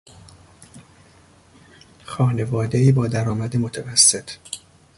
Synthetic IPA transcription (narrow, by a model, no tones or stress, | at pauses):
xɒːne̞vɒːd̪e̞iːbɒːd̪æɾɒːmæd̪emo̞t̪ʰævæsːe̞t̪ʰ